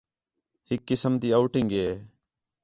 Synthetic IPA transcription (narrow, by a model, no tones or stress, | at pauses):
hɪkːɪsəmt̪iːaʊʈɪ̃ŋɡeː